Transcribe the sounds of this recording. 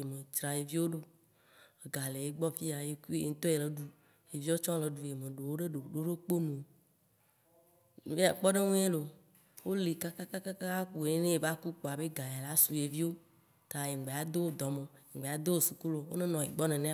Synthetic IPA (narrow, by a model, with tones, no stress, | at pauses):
e˨me˨t͡ʃɾa˨je˨vi˦wo˦ɖo˦ | e˨ɡa˨le˨je˦ɡ͡bɔ˦fi˦a˨je˦ku˦ḛ˨ŋ̩˦t̪ɔ˦e˨le˨ɖu˦ | je˨vi˦o˦t͡ʃɔ̃˦le˨ɖu˨je˨me˨ɖo˨wo˦ɖe˦ɖo˨ɖo˦ɖe˦k͡po˦nũ˨˦ | e˦a˨k͡pɔ˦ɖe˦ŋũ˦e˦lo˨ | wo˦le˨ka˦ka˦ka˦ka˦ka˦ka˦k͡po˨e˦nẽ˦e˨va˦ku˦k͡po˨a˨be˦ɡa˨ja˨la˦su˨je˨vi˦wo˦ | t̪a˨je˨ɡ͡be˨a˨d̪o˦wo˦d̪ɔ˨mẽ˨e˨ŋɡ͡be˨a˨d̪o˦wo˦su˨ku˦lo˨wo̰˦nẽ˦nɔ̃˨e˨ɡ͡bɔ˦nẽ˨nẽ˦